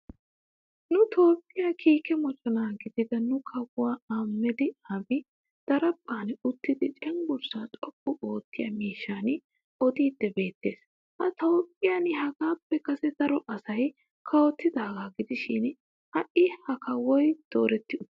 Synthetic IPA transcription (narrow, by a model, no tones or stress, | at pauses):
nʊt̪ʰo̞ːpʼːɪjakʰiːkɛmɔt͡ʃʼɔnaːɡɪd̪ɪd̪ɐnʊkʰɐwʊaːaːmːɛd̪ɪɐbɪ | d̪̥ɐɾɐpʼːaːnʊt̪ːɪd̪ɪt͡ʃʼɛŋɡʊɾsaːt̪ʼɔpʼːʊʔoːt̪ːɪjɐ̰miːʃːaːn | ɔd̪iːd̪̥ːɛbe̞ːt̪ːe̞ːs | hɐt̪oːpʼːɪjanhɐɡaːpːɛkɐsɛd̪̥ɐɾɔʔɐsɐj | kʰɐwɔt̪ːɪd̪ɐːɡaːɡɪd̪ɪʃɪn | hɐʔɪhɐkʰɐwɔjd̪̥oːɾɛt̪ːɪʊ